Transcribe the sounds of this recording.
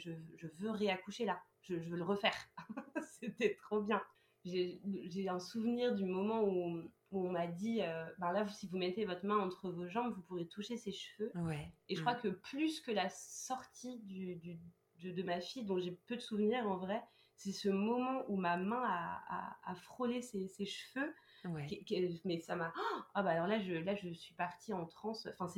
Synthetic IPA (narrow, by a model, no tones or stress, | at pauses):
ʒəʒəvøʁeakuʃela | ʒ̥əʒəvøləʁəfɛːʁset̪ɛt̪χobjɛ̃ | ʒeʒeɛ̃suvniʁd̪ymɔmɑ̃u | uɔ̃mad̪iøbãlavusivumɛt̪evɔt̪χəmɛ̃ɑ̃t̪χəvoʒɑ̃bvupuʁjet̪uʃeseʃvøweʒəkχwakəplyskəlasɔʁt̪ʰid̪yd̪y | d̪əd̪əmafijd̪ɔ̃ʒepød̪əsuvniʁɑ̃vʁɛ | sɛsəmɔmɑ̃ʔumamɛ̃aa̰ːfχoleseseʃfø | wɛɛkɛmɛsamaabaːlɔʁlaʒəlaʒəsɥipaʁt̪iɑ̃t̪χɑ̃sɑ̃fɛ̃sɛ